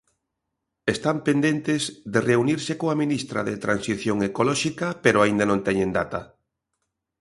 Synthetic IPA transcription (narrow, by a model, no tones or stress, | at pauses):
est̪ampend̪ent̪ɪzðereuniɾsekoaminist̪ɾa̰ðet̪ɾansiθjoŋekolɔʃikɐpeɾoaind̪ɐnõnt̪ɛɲend̪at̪ɐ